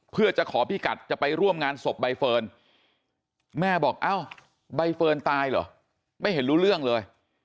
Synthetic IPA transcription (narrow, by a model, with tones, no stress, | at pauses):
pʰɯ˥˩ɐət͡ɕa˨˩kʰɔː˩˦pʰiː˧˩ka˨˩t̪̚t͡ɕa˨˩pa˧jɾu˥˩əmŋaː˧nso˨˩p̚ba˧jfɤː˧n | mɛː˥˩bɔː˨˩k̚ʔaː˧˥˩w | ba˧jfɤː˧nt̪aː˧jlɔ̰ː˨˩˦ | ma˥˩jɦe˩˦nɾuː˦˥ɾɯ˥˩əŋlɤː˧j